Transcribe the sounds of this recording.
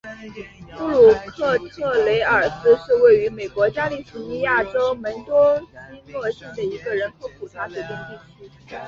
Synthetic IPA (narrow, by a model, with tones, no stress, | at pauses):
pu˥˩lu˨˩kʰɤ˥˧t̪ʰɤ˥˩le˧˥ɪə˞˨˩sɹ̩˥ʂɻ̩˥˧we˥˩ɪy˧˥me˨˩ɪkwɔ˧˥t͡ɕja˥li˥˩fu˧˥ni˧˥ja˥˩ʈ͡ʂo˥ʊmə˧˥nt̪wɔ˥ɕi˥ŋwɤ˥˧ɕɛ˥˩d̪ə˩i˧˥ɡə˧ɻə˧˥nkʰo˧˥ʊpʰu˨˩t͡sʰa˥˩ɕɛ˧˥t̪i˥˧ŋi˥˩˥